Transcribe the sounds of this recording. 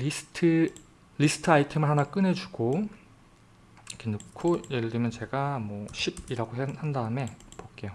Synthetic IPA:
isɯ̥tʰɯ | ɾisʰɯ̥tʰɯaitʰemɯɭɦhanak͈ɯne̞d͡ʑuɡo | kʰenokʰojeɾdɯmjʌnt͡ɕe̞ɡamwʌɕʰib̚iɾaɡoɦenhandaɯme̞pok͈ejo

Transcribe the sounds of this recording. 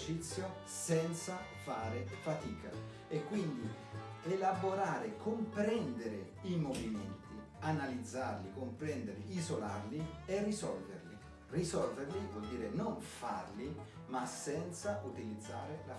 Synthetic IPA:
t͡ʃit̪sːjo | sɛnt̪sa | faːɾɪfat̪iːka̰ | ekːwind̪i | elaboɾaːɾɪkʰompɾɛnd̪eɾɪ | imovimɛnt̪i | analid̪zːarlikompɾɛnd̪eɾɪizola̰rlierːisɔlverli | risɔlveɾlivɔld̪iːɾɪnoɱfa̰rli | masɛnt̪saʔut̪ilid̪zːaːɾɪla

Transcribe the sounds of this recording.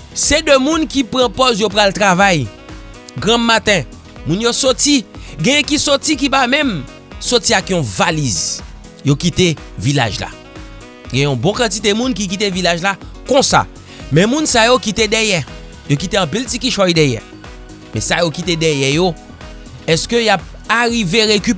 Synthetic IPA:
sɛdømũnkipɣɑ̃pɔzjopɣalt̪ʁavaj | ɡʁãmat̪ɛ̃ | mũnjosɔtiɡɛ̃jɛ̃kisɔtik̬ipamɛ̃m | sɔtiakjɔ̃valiz | jokit̪evila̰ʒla̰ | ɡɛ̃jɛ̃ɔ̃bɔ̃kɑ̃tit̪̬emũnk̬ik̬it̪̬evilaʒla | kɔ̃sa̰ | mɛ̃mũnsajokit̪edɛjɛ | jokit̪eɐ̃piltikiʃɔjdɛjɛ̰ | mɛ̃sajokit̪edɛjɛjo | ɛskøjap̚ | aʁiveʁekyp

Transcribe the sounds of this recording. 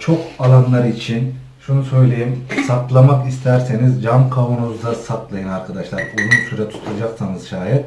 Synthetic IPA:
t͡ʃʰo̞kalˠanlˠaɾɯit͡ʃʰin | ʃunusø̞jlʲe̞jimsak̪lˠamakist̪ʰæɾsenizd͡ʒamkʰavunuzd̪asak̪lˠajɯnaɾkʰad̪aʃlˠaɾuzunsyɾat̪ʰu̥t̪ʰulˠd͡ʒaksanɯz̥ʃaːjɛt̪

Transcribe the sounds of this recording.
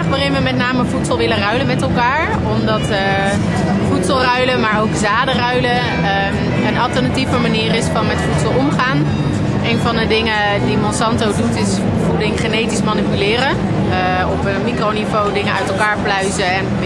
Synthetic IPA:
χʋəːrɪnəʋəmɛtnaːməvutsəlˠʋɪlərœɥləmɛtɛlˠkaːɹ | ɔmdɑtə | futsəlˠrœɥləmaːɹowkzaːdərœɥlə | ənɑlˠtəɹnativəmaniːrɪsfɑnmɛtfutsəlˠɔmχaːn | ejnvɑndədɪŋə | dimɔnsɑntowdutɪs | vudɪŋχenejtismanipylɪːrə | ɔpənmikronivowdɪŋəʔœɥtɛlˠkaːɹplœɥzəɛn

